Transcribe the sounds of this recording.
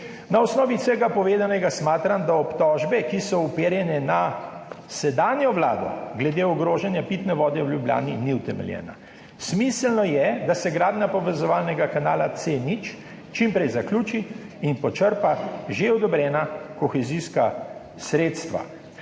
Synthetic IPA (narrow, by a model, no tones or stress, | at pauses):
naɔsnɔːʋisɛɡapɔʋeːd̪anɛɡasmaːt̪ɾamd̪aɔpt̪ɔʒbɛkisɔupeːɾjɛnɛna | sɛd̪aːnjɔʋla̰ːd̪ɔ̰ɡlɛd̪eɔɡɾoːʒɛnjapit̪nɛʋɔːd̪ɛwljublja̰ːniniwt̪ɛmɛ̰ljɛ̰ːna̰ | smislnɔjɛd̪asɛɡɾaːd̪njapɔʋɛzɔʋaːlnɛɡakanaːlat̪senit͡ʃ | t͡ʃimpɾɛjzaklʲuːt͡ʃiinpɔt͡ʃəɾpaʒeɔd̪ɔbɾɛːnakɔxɛziska | sɾeːt̪st̪ʋa̰